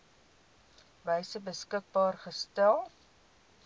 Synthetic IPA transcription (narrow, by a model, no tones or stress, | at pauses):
vəjsəbəskək̚bɑːrχəstælˠ